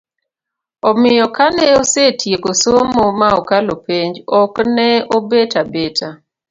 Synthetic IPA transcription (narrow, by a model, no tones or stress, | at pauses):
ɔmɪjɔkanɛosetjekosomomaɔkalopeɲd͡ʒɔknɛobetabetʰa